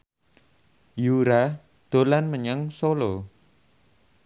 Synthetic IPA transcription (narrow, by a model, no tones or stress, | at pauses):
juɾa | d̪̥o̤lanməɲaŋsolo